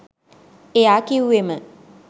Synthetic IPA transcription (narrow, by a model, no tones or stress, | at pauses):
eakiwemə